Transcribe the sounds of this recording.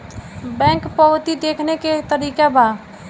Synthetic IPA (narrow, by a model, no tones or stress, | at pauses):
bɛ̃ŋkpəʋt̪id̪ekʰneket̪əɾiːkaba